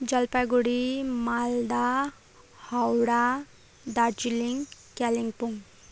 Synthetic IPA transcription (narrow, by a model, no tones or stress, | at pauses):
d͡ʒʌlpaɡuɽimald̪a | hawɽa | d̪aɾd͡ʒiliŋ | kaliŋpuŋ